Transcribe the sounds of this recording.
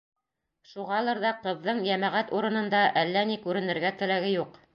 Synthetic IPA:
ʃuʁɑlˠɤɾðɑqɤ̆ðːɤɴjæmæʁæt̪uɾɤ̆nɤ̆nd̪ɑʔælːænikʉɾɘ̆nɘ̆ɾɡæt̪ɘ̆læɡɘjuq

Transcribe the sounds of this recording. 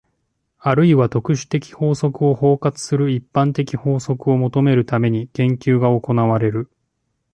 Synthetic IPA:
aɾɯ̟iβat̪o̞kɯ̟ɕi̥t̪e̞kʲi̥ho̞ːso̞kɯ̟o̞ho̞ːkat͡sɨ̥sɨɾɯ̟ipːãnt̪e̞kʲiho̞ːso̞kɯ̟o̞mo̞t̪o̞me̞ɾɯ̟t̪ame̞ɲ̟ikẽ̞ŋkʲɨːɡao̞ko̞naβ̞aɾe̞ɾɯ̟

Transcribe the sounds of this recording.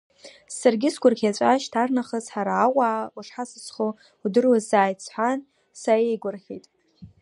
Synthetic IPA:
sarɡʲɪsɡʷʊrkʲʰat͡ʃʷʼaʃtʰarnaχəzħaɾaːwaːuʂħasɨsχo | udɨrwazaːjt͡sʰħʷan | saejɡʷʊrχʲitʼ

